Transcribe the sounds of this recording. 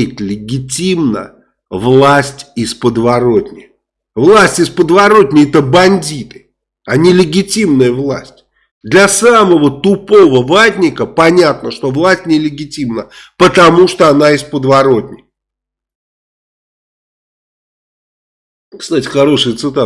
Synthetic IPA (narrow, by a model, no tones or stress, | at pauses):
ɪt̪ʲlʲɪɡʲɪtʲimnə̰ | vlˠasʲtʲɪspəd̪vɐɾo̞tʲnʲɪ̰ | vlˠasʲtʲɪspəd̪vɐɾo̞tʲnʲɪjɛt̪əbɐnʲdʲit̪ɨ̥ | anʲɪlʲɪɡʲɪtʲimnəjəvlˠasʲtʲ | d̪lʲɐsaməvət̪ʊpovəvˠatʲnʲɪkəpɐnʲat̪nəʂt̪o̞vlˠasʲtʲnʲɪlʲɪɡʲɪtʲimnəpət̪ɐmuʂt̪oɐnaɪspəd̪vɐɾo̞tʲnʲɪk | kst̪atʲɪ̥xɐɾo̞ʂɨjət̪sɨt̪a